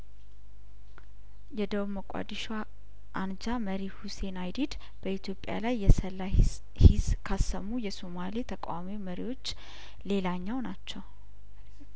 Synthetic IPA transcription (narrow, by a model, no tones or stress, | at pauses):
jɛd̪əwməkʼa̰d̪iʃa | ʔand͡ʒaməɾihuse̞najd̪id̪ | b̥əit̪ʰjo̞pʼja̰lajːɛsəlːa | hiskʰasəmːujɛsomalit̪ʰəkʼa̰wamiməɾiwo̞t͡ʃː | le̞laɲːawnat͡ʃːɛw